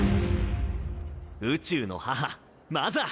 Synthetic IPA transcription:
ɯ̟t͡ɕɨːno̞̰haɦa | maza

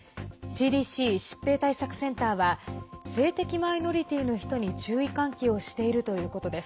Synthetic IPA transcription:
ɕiːd̪iːɕiːɕi̥pːe̞ːt̪aisakɯ̟̥sẽ̞nt̪aːβase̞ːt̪e̞kʲimaino̞ɾʲit̪ʲiːno̞çi̥t̪o̞ɲ̟it͡ɕɨːikãŋkʲio̞ɕi̥t̪e̞iɾɯ̟t̪o̞jɯ̟ːko̞t̪o̞d̪e̞sɨ̥

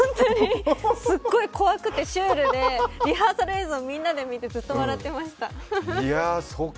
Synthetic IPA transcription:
õnt̪oɲ̟isɨɡːo̞iko̞βakɯ̟t̪ːe̞ɕɨːɾɯ̟d̪eɾʲiɦaːsaɾe̞ːzɨomʲĩnːad̪e̞mʲit̪e̞zɨt̪ːoβaɾat̪ːe̞maɕi̥t̪aaso

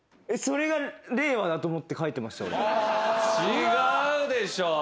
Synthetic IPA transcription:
e̞so̞ɾe̞ɡaɾe̞ːβad̪at̪o̞ːmo̞t̪ːe̞kait̪ːe̞maɕi̥t̪a̰o̰ɾe | iɡaɯd̪e̞ɕoː

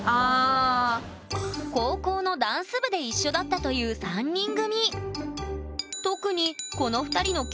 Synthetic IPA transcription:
aː | ko̞ːko̞ːno̞d̪ãɰ̃sɨbɯ̟d̪e̞iɕːo̞d̪at̪ːat̪o̞jɯ̟ːsãɲ̟ːĩŋɡɯ̟ɲ̟i | t̪o̞kɯ̟ɲ̟iko̞no̞ɸɯ̟̥t̪aɾʲino̞kʲ

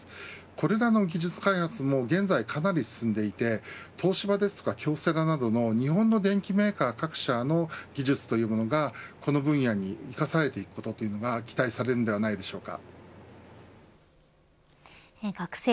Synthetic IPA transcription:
ko̞ɾe̞ɾano̞ɡʲiʑɨt͡sɨ̥kaihat͡sɨmo̞ɡẽ̞nd͡zaikʰanaɾʲisɨ̥sɨ̃nd̪e̞it̪e̞t̪ʰo̞ːɕibad̪e̞sɨ̥t̪o̞̥kakʲo̞ːse̞ɾanad̪o̞no̞ɲ̟iɦõ̞nːo̞d̪ẽ̞ŋkʲime̞ːkaːkakɯ̟̥ɕano̞ɡʲiʑɨt͡sɨ̥t̪o̞jɯ̟ːmo̞no̞ɡako̞no̞bɯ̟̃ɰ̃jaɲ̟iikasaɾe̞t̪e̞ikɯ̥ko̞t̪o̞t̪o̞jiɯ̟no̞ɡakʲi̥t̪aisaɾe̞ɾɯnod̪e̞βanaid̪e̞ɕo̞ːka̰ | ɡaks

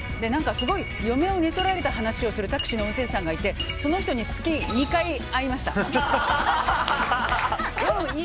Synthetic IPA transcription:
d̪e̞nãŋkasɨɡo̞ijo̞me̞one̞t̪o̞ɾaɾe̞t̪aɦanaɕio̞sɨɾɯ̟t̪akɯ̟̥ɕino̞ot̪e̞ːsãŋɡait̪e̞so̞no̞çi̥t̪oɲ̟it͡sɨ̥kʲiɲ̟ikai | aimaɕi̥t̪a̰ | jo

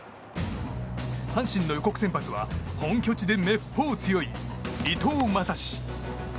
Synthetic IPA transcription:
hãɕĩnːo̞joko̞kɯ̟̥sempat͡sɨβa̰hõ̞ŋkʲo̞t͡ɕid̪e̞me̞pʰːo̞ːt͡sɨjo̞iit̪oːmasaɕi̥

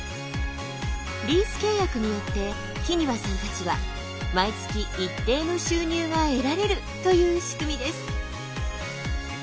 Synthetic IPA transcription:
ɾʲiːsɨ̥ke̞ːjakɯ̟ɲ̟ijo̞t̪ːe̞ | kʲiɲ̟iβasãnt̪at͡ɕiβa̰ | mait͡sɨ̥kʲiʔit̪ːe̞ːno̞ɕɨːɲ̟ʲɨːɡae̞ɾaɾe̞ɾɯ̟ | t̪o̞jɯ̟ːɕi̥kɯ̟mʲid̪e̞sɨ̥

